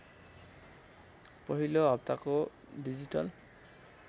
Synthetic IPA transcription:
pɔɦiloap̚takɔ | dizitɔ̰l

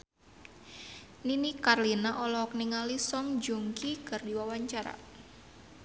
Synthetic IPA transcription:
ninikarlinaʔɔlɔɔk̚niŋalisɔŋd͡ʒuŋkikɨrdiwawaɲt͡ʃaɾa̰

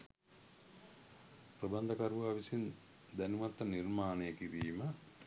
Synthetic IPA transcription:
prɐband̪ɐkaɾʋuaʋisin | d̪ænumat̪ːɐnirmaːnejəkiɾiːmə

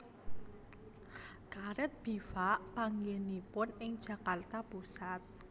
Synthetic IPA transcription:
kaɾət̪̚b̥ifaʔpaŋɡenipʊnɪŋd̥ʒ̥ä̤kart̪apusat̪̚

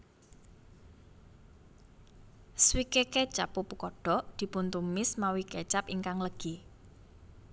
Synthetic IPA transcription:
swikeket͡ʃapupukɔɖ̥ɔ̤d̪̥i̤punt̪umɪsmawiket͡ʃapiŋkaŋləɡ̥i

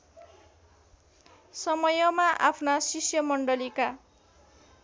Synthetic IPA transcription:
sʌmʌjʌmaʔa̰pʰnasisjʌmʌɳɖʌlika

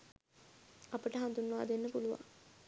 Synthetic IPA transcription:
ɐpəʈəɦɐnd̪unːa̰ːd̪enːəpuluʋã̰ŋ

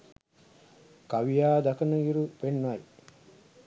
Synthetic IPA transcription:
kɐʋijaːd̪ɐkɐnɐiɾupenːɐji

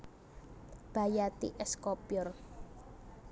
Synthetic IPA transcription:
b̥a̤jat̪ḭʔɛskopjɔr

